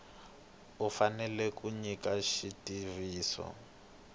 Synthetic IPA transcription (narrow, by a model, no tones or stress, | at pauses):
ufanɛlɛkuɲikaʃitiviːsɔ̰